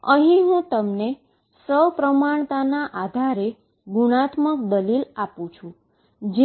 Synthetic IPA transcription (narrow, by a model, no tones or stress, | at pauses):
əɦĩɦũt̪əmne | səwpɾəmaɳ̃t̪anaʔad̪ʱaɾe | ɡuɽ̃at̪mək̚d̪əlilapũt͡ʃʰũ | d͡ʒe